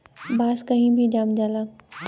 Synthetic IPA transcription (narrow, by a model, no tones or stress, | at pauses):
baːskɐɦĩbʱid͡ʒaːmd͡ʒaːlaː